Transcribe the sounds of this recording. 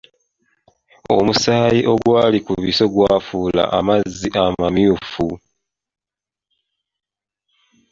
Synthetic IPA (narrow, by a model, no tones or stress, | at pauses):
o̞̰musaːjiʔo̞ɡwaːlikuβiso̞ɡwaːfuːla̰ʔamazːiʔamamjuːfu